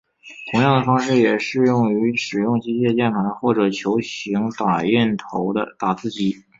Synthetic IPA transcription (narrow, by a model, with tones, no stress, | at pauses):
t̪ʰʊ˧˥ŋjɑ˥˩ŋd̪ə˩fɑ˥ŋʂɻ̩˥˩jɛ˨˩ʂɻ̩˥˧jʊ˥˩ŋy˧˥ʂɻ̩˨˩jʊ˥˩ŋt͡ɕi˥t͡ɕjɛ˥˧t͡ɕjɛ˥˩nt̪ʰwa˧˥nxwɔ˥˩ʈ͡ʂɤ˨˩t͡ɕʰjo˧˥ʊɕi˧˥ŋt̪a˨˩jɛ˥˩nt̪ʰo˧˥ʊd̪ə̰˧t̪a˨˩t͡sʰɹ̩˥˩t͡ɕi˥˩